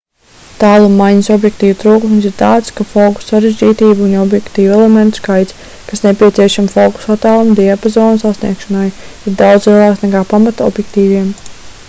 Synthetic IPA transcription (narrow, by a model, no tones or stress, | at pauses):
t̪aːlˠumːajɲisɔbjɛkt̪iːvut̪ɾuːkumsiɾt̪aːt̪skafɔːku̥sːaɾezʲd͡ʒiːt̪iːbuunɔbjɛkt̪iːvuɛlement̪u̥skajt̪s | kasnepʲiɛt̪siɛʃamfɔku̥sat̪aːlˠumd̪iapazɔːnusasnḭɛkʃɔnajiɾd̪awd̪zlˠiɛlˠaːksnɛkaːpamat̪ɔ̰bjɛk̚t̪iːviɛm